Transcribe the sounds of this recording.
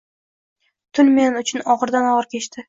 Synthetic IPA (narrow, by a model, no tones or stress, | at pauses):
t̪ʰʊlme̞nɪʊt͡ʃʰʊnɒʁɨɾd̪anɒʁɾkʲʰe̞t͡ʃt̪ʰɪ